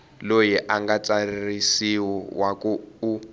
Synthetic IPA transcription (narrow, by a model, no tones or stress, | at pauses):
lojiʔaŋɡat͡saririsiwɔwakuu